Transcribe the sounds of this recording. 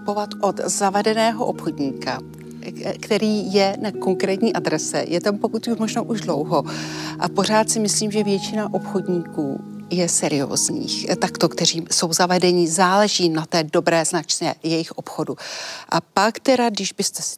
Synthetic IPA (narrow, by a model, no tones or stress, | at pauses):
povat̪ʔo̞t̪zavɛdɛnɛːɦo̞ʔopxo̞dɲiːka | kt̪ɛɾiːjɛnako̞ŋkɾɛːt̪ɲiːʔadɾɛsɛ̰jɛt̪ampo̞kut̪umoʒnoʔuʒdlo̞wɦo̞ʔapo̞r̝aːt̪sɪmɪsliːmʒɛvjɛt͡ʃɪnaʔo̞pxo̞dɲiːkuː | jɛsɛɾɪo̞̰ːzɲḭːxt̪akt̪o̞kt̪ɛr̝iːso̞wzavɛdɛɲɪzaːlɛʒiːnat̪ɛːdo̞bɾɛːznat͡ʃɲɛjɛjɪxʔo̞pxo̞duʔapakt̪ɛɾaɡdɪʒbɪst̪ɛ